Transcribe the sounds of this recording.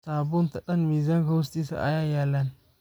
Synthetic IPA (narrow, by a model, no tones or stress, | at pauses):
sabunt̪ɐɗɐnmizaŋkaust̪isa̰ʔa̰jajalan